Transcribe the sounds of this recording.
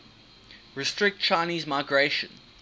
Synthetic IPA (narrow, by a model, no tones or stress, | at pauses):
ɹɪstɹɪk̚tt͡ʃʰãɪniːzmaɪɡɹeʃə̰̃n